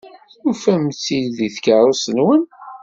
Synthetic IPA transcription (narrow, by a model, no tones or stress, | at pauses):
ufæmt͡sːilðiθkəɾˤosənwən